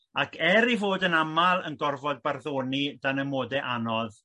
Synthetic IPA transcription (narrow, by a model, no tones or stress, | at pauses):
akʰɛɾivoːdənamalˠənɡɔrvɔd̚barðoːnidanəmoːdɛʔanɔð